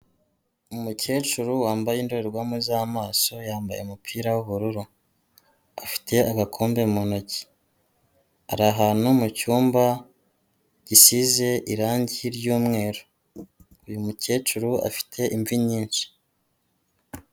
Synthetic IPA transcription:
umuce̞ːt͡ʃuɾuwaːmbajindoɾeɾɡwaːmuzaːmaːso̞jaːmba̰jemupʰiːɾawuβuɾuɾu | afi̥tʰe̞aɡakʰo̞ːmbe̞mono̞ci̥ | a̰ɾaɦaːnumucuːmba | ɟ̥isize̞ʔiɾaːɲɟiɾɟuːmŋe̞ːɾo | ujumuce̞ːt͡ʃuɾua̰fi̥tʰe̞ʔiɱviɲiːnʃi̥

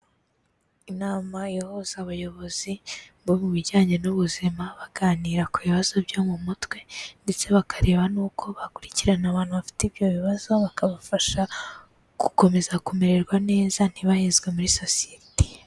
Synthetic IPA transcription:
inaːmajehoz̥aβujo̞βo̞z̥ibomuβiɟaːɲe̞nuβuzimaβaɡ̥aːniːɾakuβiβaz̥o̞bɟo̞ːmumutwe̞nde̞t͡se̞βakaɾe̞ːβanuːkʰo̞βakuɾiciɾanaβaːnhuβafi̥tibjo̞βiβazo̞βakaβafaʃa | ɡuko̞me̞zakume̞ɾe̞ɾɡwane̞ːzan̥hiβahezɡwe̞muɾiso̞sijeti̥

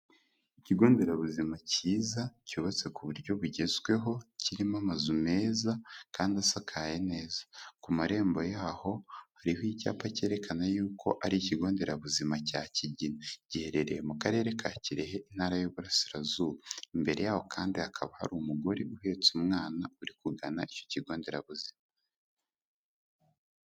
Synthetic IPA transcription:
iciɡo̞ːnde̞ɾaβuzimaciːzacuβat͡se̞kuβuɾɟo̞βuɟe̞zwe̞ɦo̞ciɾimamazume̞ːzakaːndiasakʰaːjene̞ːzḁkumaɾe̞ːmbo̞jaːho̞haɾihoica̰ːpace̞ːɾe̞kanajuːkʰo̞̰ʔaɾiciɡo̞ːnde̞ɾaβuzimacaciɟinaɟihe̞ɾe̞ɾe̞jemukaɾe̞ːɾe̞kʰaciɾehe̞ʔin̥haɾajuːβuɾasiɾazuːβaimbe̞ɾe̞̰jaːho̞kʰaːndiakʰaβaha̰ɾuːmuɡo̞ɾiʔuhe̞ːt͡sumŋaːnauɾikuɡana̰ico̥ciɡo̞ːnde̞ɾaβuzima

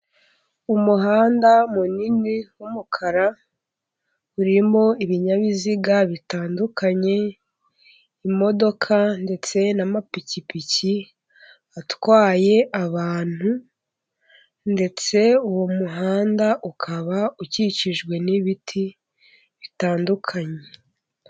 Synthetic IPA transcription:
umuɦaːndamuniniwumukʰaɾa | uɾimo̞iβiɲaβiziɡaβitaːndukʰaɲe̞ | imo̞do̞kʰande̞t͡se̞namapicipici | atwaːje̞ʔaβaːn̥hu | nde̞t͡se̞uwomuɦaːndaʔukʰaβauciciʒɡwe̞niβitʰi | βitaːndukʰaɲe̞

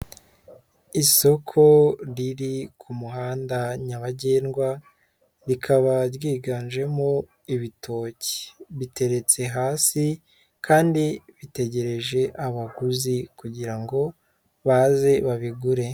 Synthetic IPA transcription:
iso̞kʰo̞ɾiɾikʰumuɦaːndaɲaβaɟeːnɡwa | ɾikʰaβaɾɡiːɡanʒe̞mo | iβitʰo̞ːce̥βite̞ɾe̞t͡se̞ɦaːsi | kʰaːndiβite̞ɟe̞ɾe̞ʒe̞ʔaβaɡuzikuɟiɾaŋɡo̞ | βaze̞βaβiɡuɾe̞

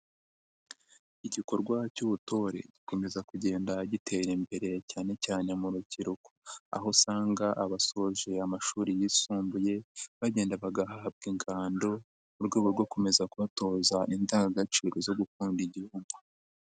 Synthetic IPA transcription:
iɟiko̞ɾɡwacuβuto̞ɾe̞̰ɟiko̞me̞zakuɟe̞ːndaɟitʰe̞ɾimbe̞ɾe̞caːne̞caːne̞muɾuciɾuko̥a̰ɦo̞saːŋɡaʔaβaso̞ʒe̞amaʃuːɾijisuːmbuje̞βaɟeːndaβaɡaɦahab̚ɡiːŋɡaːndo̞ | uɾɡeːβuɾɡo̞ko̞me̞zakuβato̞ːzaʔindaŋɡaɡat͡ʃiːɾozo̞ɡukuːndiɟihuːmɡwa

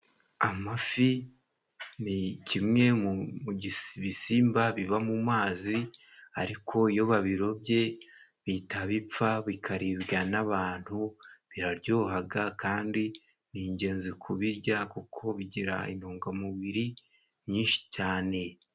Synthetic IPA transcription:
amafi | nicimŋe̞mumuɟisβisiːmbaβiβamumaːzi | aɾikʰo̞ijo̞βaβiɾo̞bje̞ | βitaβip͡faβikʰaɾiβɡanaβaːn̥huβiɾaɾɟoːɦaɡakaːndi | niːɲɟe̞ːnzikʰuβiɾɟakukʰo̞βiɟiɾa̰ḭn̥hoːŋɡamiβiɾi | ɲɲiːnʃi̥caːne̞

